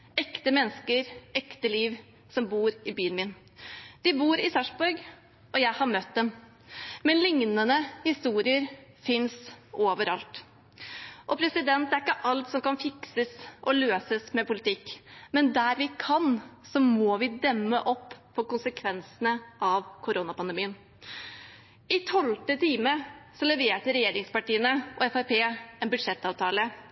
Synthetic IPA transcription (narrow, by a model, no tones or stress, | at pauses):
ɛkt̪əmɛnːskəɾɛkt̪əliːʋ | sɔmbuːɾɪbyːənmɪn | d̪̥ɪbuːɾɪsɑʂbʊɾɡ | ɔjæɪhɑɾmœt̪̚d̪ɛm | mɛnlɪŋnənəhɪst̪uːɾɪəɾfɪnsoːʋəɾɑlt̪ | ʔɔpʰɾɛsɪd̪ɛnt̪̚d̪ɛæɾɪkːəʔɑlt̪sɔmkɑnfɪksəsʔɔløːsəsmɛpʰʊlɪt̪ʰɪkːmɛnd̪æɾʋɪkʰɑnsɔmɔʋɪd̪ɛmːəʔɔpːpʰːɔkʊnsəkʰʋɛnsənəɑʋkʰʊɾonɑpɑnd̪əmiːən | ɪt̪ʰɔlt̪ət̪ʰiːməsɔlɛʋeːʈəɾɛjeːɾɪŋspɑʈiːənəʔɔɛfæpeːɛnbʉd̪ʂɛt̪ːɑːʋt̪ʰɑːlə